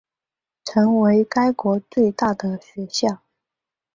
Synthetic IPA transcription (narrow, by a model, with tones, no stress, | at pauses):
ʈ͡ʂʰɤ˧˥ŋwe˧˥ɪka˥ɪkwɔ˧˥t͡swe˥˧ɪt̪a˥˩d̪ə˩ɕɥɛ˧˥ɕjɑ˥˩ʊ